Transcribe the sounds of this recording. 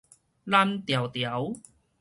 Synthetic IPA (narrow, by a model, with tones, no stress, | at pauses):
la˥˧mt̪ja˨˩wt̪ja˨˦w